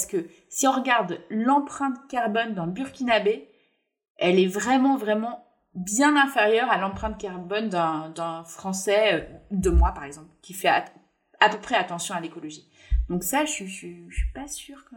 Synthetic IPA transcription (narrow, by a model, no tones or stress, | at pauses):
sə̥kə | siɔ̃ʁəɡaʁd̪lɑ̃pχɛ̃t̪kaʁbɔnd̪ɛ̃byʁkʲinabe | ɛlɛvʁɛmɑ̃vʁɛmɑ̃ | bjɛ̃nɛ̃feʁjœʁalɑ̃pχɛ̃t̪̚kaʁbɔnd̪ɛ̃d̪ɛ̃fχɑ̃sɛød̪əmwapaʁɛɡzɑ̃plkʲifɛa̰ | apøpχɛat̪ɑ̃sjɔ̃alekɔlɔʒi | d̪ɔ̃ksaʃɥiʃɥiʃɥi̥pasyːʁk